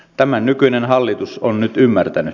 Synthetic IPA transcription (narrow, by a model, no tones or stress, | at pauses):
t̪æmænnykyinenɦɑlːit̪usonnyt̪ymːært̪æny